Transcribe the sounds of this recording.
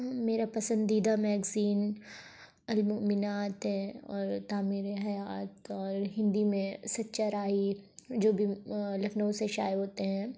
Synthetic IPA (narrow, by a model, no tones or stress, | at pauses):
meːɾapɐsə̃nd̪iːd̪amɛːɡziːn | ɐlmʊʔmɪnaːt̪ɦɛɔːɾt̪aːmiːɾeɦɐjaːt̪ɔːɾɦɪ̃nd̪imẽsɐtːʃaɾaːid͡ʒoːbʱilɐfnõseʃa̰ːjɦoːt̪eɦɛ̃ː